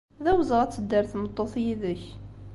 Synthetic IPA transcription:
ðæwəzʁæt͡sːəd̪ːəɾθmət̪ˤːoθjiðəç

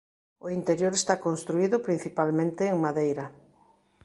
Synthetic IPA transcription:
oint̪eɾjoɾest̪akonst̪ɾuiðʊpɾin̟θipalmẽnt̪eːŋmaðejɾɐ

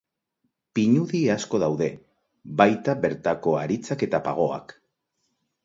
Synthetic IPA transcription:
piɲuðiasko̞ðawðe̞ | bajt̪aβe̞ɾt̪ako̞aɾit͡sake̞t̪apa̰ɣ̞o̞a̰k

